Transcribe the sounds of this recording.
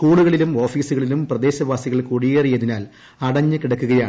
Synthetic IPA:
skuːɭuɣɐɭilumo̞ːfiːsuɣɐɭilumprɐd̪e̞ːɕɐʋaːsiɣɐɭkuɽijeːrijɐðinaːl | ɐɽɐɲːɨkiɽɐkːuɣɐjaːɳ

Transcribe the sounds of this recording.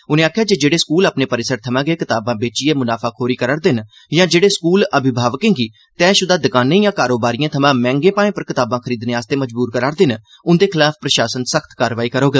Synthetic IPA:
ʊnẽːaːkʰjaːd͡ʒeːd͡ʒeːɽeːskuːlaːpneːpəɾɪsəɾt̪ʰəmãːɡeːkɪt̪aːbãːbeːt͡ʃieːmʊnaːpʰaːkʰoːɾiːkəɾəɽd̪ɪn | jãːd͡ʒeːɽeːskuːləbʱɪbʱaːʋəkẽːŋɡiː | t̪ɛ̃ːʃʊd̪aːd̪əkaːnẽːjãːkaːɾoːbaːɾijãːt̪ʰəmãːmɛ̃ːŋɡẽːpãːẽːpəɾkɪt̪aːbãːkʰəɾiːd̪neːaːst̪eːməd͡ʒbuːɾkəɾaːɾd̪ɪn | ʊnd̪eːkʰɪlaːp̚ʰpɾəʃaːsənsəkʰt̪kaːɾʋaːiːkəɾoːɡeː

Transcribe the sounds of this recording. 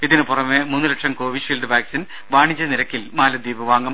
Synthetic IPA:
iðinɨpurɐmemunːɨlɐʈʂɐmko̞ːʋiʂiːlɖɨʋaːksin | ʋaːɳit͡ɕːɐniɾɐkːilmaːlɐd̪iːbɨʋaːŋɡɐm

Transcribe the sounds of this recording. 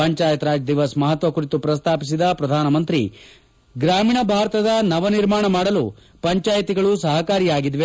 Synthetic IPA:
ɐɲt͡ʃaːjɐt̪ɾaːd͡ʒd̪iʋɐsmɐɦɐt̪ʋɐkuɾit̪upɾɐst̪ʰaːpis̬id̪ɐpɾɐd̪ʱaːnɐmɐnt̪ɾḭ | ɡɾaːmiːɳɐbʱaːɾɐt̪ɐd̪ɐnɐʋɐniɾmaːɳɐmaːɽɐlu | pɐɲt͡ʃaːjɐt̪iɡɐɭusɐɦɐkaːɾijaːɡid̪ʋe

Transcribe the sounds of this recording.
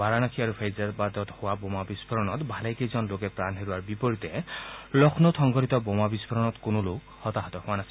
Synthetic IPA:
baɹanakʰiaɹupʰejzatbad̪ɔt̪hʊwabɔmabisbʰɔɹɔnɔt̪bʱalejkejzɔnlokɛpɹanɦeɹuaɹbipɔɹit̪ɛlɔkʰnɔt̪ʰɔŋɡɔɾit̪ɔbomabispʰɔɹɔnɔtkʊnulo | hɔt̪aɦat̪ɔhʊwanasi̥

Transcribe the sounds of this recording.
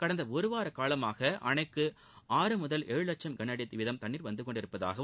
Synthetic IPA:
kɐɽɐnd̪ɐɔɾɯʋaːɾɐkaːlɐmaːɣɐʔɐ̰ɳɐɪkːɯ | aːɾɯmʊðɐlʔɛɻɯlɐt͡ʃːɐmɡɐnɐɽɪɐt̪ːɪʋɪðɐmt̪ɐɳːiːɾʋɐnd̪ɯkɔɳɖɪɾɯpːɐða̰ːɣɐ

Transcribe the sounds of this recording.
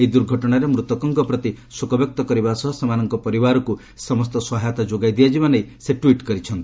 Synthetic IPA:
ejd̪uɾɡʱɔʈɔɽ̃aɾemɾut̪ɔkɔŋkɔpɾɔt̪isukɔbek̚t̪ɔkɔɾibasɔɦɔsemanɔŋkɔpɔɾibaɾɔku | sɔmɔst̪ɔswɔɦajt̪ad͡ʒoɡajd̪iad͡ʒibɔnejseʈwiʈkɔɾit͡ʃʰɔnt̪i̥

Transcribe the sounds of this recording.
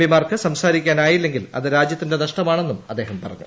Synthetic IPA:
bimaːrkʰɨsɐmsaːɾikʲːaːnaːjilːe̞ŋɡilɐ̰ðɨɾaːd͡ʑjɐt̪ːinde̞nɐʂʈɐmaːɳe̞nːumɐd̪ːe̞ːɦɐmpɐrɐ̰ɲːṵ

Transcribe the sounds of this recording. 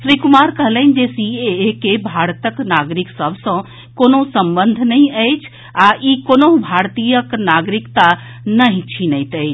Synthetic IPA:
sɾikumaɾkəɦləɪn̆d͡ʒesieekebʱaɾt̪əknaɡɾiksəbʱsə̃ | konosəmbənd̪ʱnəj̃əjt͡ʃʰ | aʔikonobʱaɾt̪ijəknaɡɾikt̪a | nəɦĩt͡ʃʰinəjt̪əjt͡ʃʰ

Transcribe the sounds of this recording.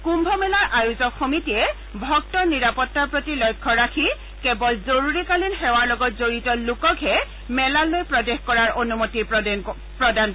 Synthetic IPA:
kumbʱɔmɛlaɹʔajuzɔkxomitiɛ | bʱɔk̚tɔɹniɹapɔtːaɹpɹotilɔjkʰːɔɹakʰi | kɛbɔlzoɹuɹikalinxɛwaɹlɔɡɔtzoɹitɔlukɔkʰɦɛ | mɛlalojpɹɔdexkɔɹaɹʔonumoti | pɹɔdan

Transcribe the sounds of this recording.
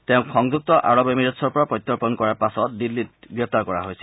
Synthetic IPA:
teʊ̃kxɔŋzuk̚tɔʔa̰ɹɔbemiɹɔtsɔɹpɔɹapɹɔt̪ːɔɹpɔnkɔɹaɹpasɔt̚dilːit̚ɡɹɛp̚taɹkɔɹa̰ɦojsi

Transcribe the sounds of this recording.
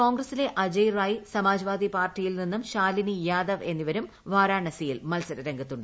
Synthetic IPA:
ko̞ːŋɡrɐsile̞ʔɐd͡ʑɐjraːjisɐmaːd͡ʑɐʋaːd̪ipaːrʈːijilninːumɕaːlinijaːd̪ɐʋe̞nːiʋɐɾum | ʋaːɾaːɳɐsijilmɐlsɐɾɐɾeŋɡɐt̪ːuɳɖɨ

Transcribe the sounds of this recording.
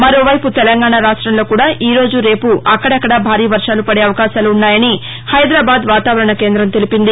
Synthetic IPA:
mɐɾo̞ːʋɐjput̪ɛlɐŋɡaːɳaɾaːʂʈɾɐnlo̞ːkuːɽaːʔiːɾo̞ːd͡ʒuɾe̞ːpuʔɐkːɐɽɐkːɐɽɐbʱaːɾiːʋɐɾʂaːlupɐɽe̞ːɐʋɐkaːʃaːluːnːaːjɐni | hɐjd̪ɾaːbaːd̪ʋaːt̪aːʋɐɾɐɳɐke̞ːnd̪ɾɐmt̪e̞lipind̪i

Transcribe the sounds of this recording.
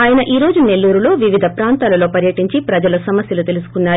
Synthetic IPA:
aːjɐnɐʔiːɾo̞ːd͡ʒune̞lːuːɾulo̞ːʋiʋid̪ʱɐpɾaːnt̪aːlɐlo̞ːpɐɾjɐʈiɲt͡ʃipɾɐd͡ʒɐlɐsɐmɐsjɐlut̪e̞lusu̥kunːaː

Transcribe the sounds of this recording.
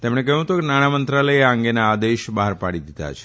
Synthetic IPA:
t̪emɽ̃ek̬əjũt̪ukenaɽ̃amənt̪ɾaləjeəŋɡenaːd̪eʃbaɦaɾpaɽid̪id̪a̰t͡ʃʰe̥

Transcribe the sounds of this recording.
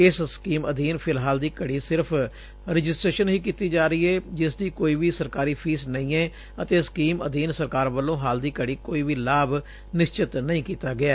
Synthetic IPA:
ɪsskiːməd̪iːnpʰɪlɦaːld̪iːkəɽiːsɪɾpʰ | ɾɪd͡ʒɪsʈɾeːʃənɦiːkiːt̪iːd͡ʒaːɾəiːɛːd͡ʒɪsd̪iːkoːiːʋiːsəɾkaːɾiːpʰiːsnəĩːɛː | ət̪eːsə̥kiːmə̰d̪iːnsəɾkaːɾʋəlːõːɦaːld̪iːkəɽiːkoːiːʋiːlaːb | nɪst͡ʃɪt̪nəĩːkiːt̪aːɡɪaː

